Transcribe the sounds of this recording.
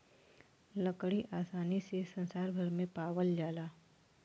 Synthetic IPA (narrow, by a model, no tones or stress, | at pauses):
ləkɽiʔaːsaːnisesɐ̃nsaːɾbʱɐɾmẽpaːwəld͡ʒaːlaː